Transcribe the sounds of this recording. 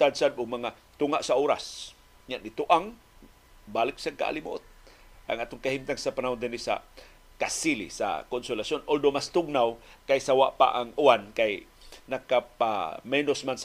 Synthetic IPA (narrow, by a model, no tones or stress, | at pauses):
t̪ad̪sad̪ʊɡmaŋa | t̪ʊŋaʔsaʔoːɾa̰s | ɲaʔnɪt̪uʔaŋ | balɪksaka̰ʔa̰limo̰ʔot̪̚ʔa̰ŋʔaːt̪oŋkahimt̪aŋsapanaɦʊnd̪ɪnisa̰ | kasilḭsa̰konsʊlasjonʔold̪omast̪ʊɡ̚nawkajsawaʔpa̰ʔaŋuankajnakapa̰mɛnosmans